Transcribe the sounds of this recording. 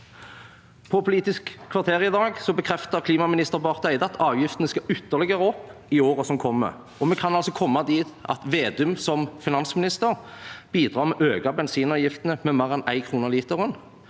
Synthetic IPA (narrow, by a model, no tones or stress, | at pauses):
pʰɔpʰʊliːt̪ɪskʰːʋɑʁt̪ʰeːʁɪd̪ɑːɡsɔbəkʰʁɛft̪əʁkʰliːmɑmɪnɪst̪əʁbɑʁt̪æɪd̪ɑɑt̪ʰɑːʋjɪft̪nəskɑʔʏt̪ːəʁlɪɡəʁəɔpːɪoːʁəsɔmkʰɔmːə̰ | ɔmɛkʰɑnɑlsɔkʰɔmːɑd̪iːt̪ɑ̰t̪ʋeːd̪ʉmsɔmfɪnɑnsmɪnɪst̪əʁb̥iːd̪ʁɑːʁmɛʔøːɡɑbɛnsiːnɑːʋjɪft̪ənəmɛmæʁɛnæɪkʰʁuːnəʁliːt̪əʁʊn